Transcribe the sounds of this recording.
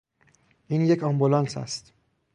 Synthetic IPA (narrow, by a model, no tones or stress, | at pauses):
ʔiːnje̞cʰɒmbulɒnsæ̰st̪